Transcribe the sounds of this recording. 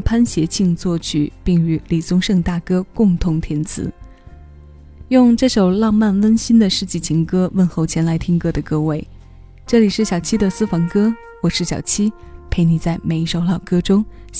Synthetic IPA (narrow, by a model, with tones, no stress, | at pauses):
pʰa˥nɕjɛ˧˥t͡ɕʰi˥˧ŋt͡swɔ˥˩t͡ɕʰy˨˩˦pi˥˩ŋy˧˥li˨˩t͡sʊ˥ŋʂɤ˥˧ŋt̪a˥˩kɤ˥kʊ˥˧ŋt̪ʰʊ˧˥ŋt̪ʰjɛ˧˥nt͡sʰɹ̩̰˧˥ | jʊ˥˧ŋʈ͡ʂɤ˥˩ʂo˨˩ʊlɑ˥˧ŋma˥˩nwə˥nɕi˥nd̪ə˨ʂɻ̩˥˧t͡ɕi˥˩t͡ɕʰi˧˥ŋkɤ˥wə˥˧nxo˥˩ʊt͡ɕʰjɛ˧˥nla˧˥ɪt̪ʰi˥ŋkɤ˥d̪ə˨kɤ˥we˥˩ɪ | ʈ͡ʂɤ˥˩li˨˩ʂɻ̩˥˩ɕjɑ˨˩ʊt͡ɕʰi˥d̪ə˨sɹ̩˥fɑ˧˥ŋkɤ˥ | wɔ˨˩ʂɻ̩˥˩ɕjɑ̰˨˩ʊt͡ɕʰi˥ | pʰe˥˩ɪni˨˩t͡sa˥˩ɪme˨˩ɪi˧˥ʂo˨˩ʊlɑ˨˩ʊkɤ˥ʈ͡ʂʊ˥ŋ